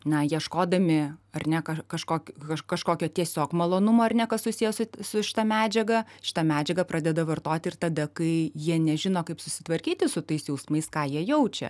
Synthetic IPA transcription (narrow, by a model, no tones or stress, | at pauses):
nɐjiɛʃkoːd̪ɐmʲɪɐrnʲɛkɐkɐʃkoːkʲkɐkɐʃkoːkʲoːt̪ʲiɛsʲoːkmɐlˠoːnʊmoːɐrnʲɛkɐssʊsʲijɛsʊsʊʃʲɪ̥t̪ɐmʲæːd͡ʒʲɛɡɐʃʲɪ̥t̪ɐmʲæːd͡ʒʲɛɡɐpɾʔɑːd̪ʲɛd̪ɐʋɐrt̪oːt̪ʲɪrt̪ɐd̪ɐkɐɪjiɛnʲɛʒʲɪnoːkɐɪpsʊsʲɪt̪ʋɐɾʲkʲiːt̪ʲɪsʊt̪ɐɪsjɛʊsmɐɪskɑːjiɛjɛʊt͡ʃʲɛ̰